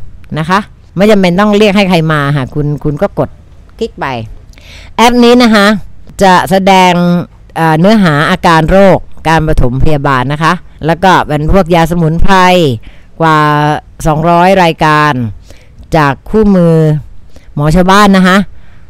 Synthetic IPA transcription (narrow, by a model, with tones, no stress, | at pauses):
na˦˥kʰa˦˥ʔ | ma˥˩ja˧mpe˧nt̪ɔ˥˩ŋɾi˥˩ək̚ha˥˩jk̚ʰa˧jmaː˧kʰa˧˩kʰu˧nkʰu˧nkɔː˥˩ko˨˩t̪̚ | kʰi˦˥k̚pa˧j | ʔɛ˦˥p̚niː˦˥na˦˥kʰa˦˥ʔt͡ɕa˨˩sa˧dɛː˧ŋ | ʔaː˨˩nɯ˦˥ɐɦaː˩˦ʔaː˧kaː˧nɾoː˥˩k̚ːaː˧npɾa˧t̪ʰo˩˦mpʰa˧jaː˧baː˧nːa˦˥kʰa˦˥ʔlɛː˦˥wkɔː˥˩pe˧npʰu˥˩ək̚jaː˧s̬a˧mu˩˦npʰa˧jkwaː˨˩ | sɔː˩˦ŋɾɔː˦˥jɾaː˧jkaː˧n | t͡ɕaː˨˩kʰːuː˥˩mɯː˧ | mɔː˩˦t͡ɕʰa˧wbaː˥˩nːa˦˥kʰa˦˥ʔ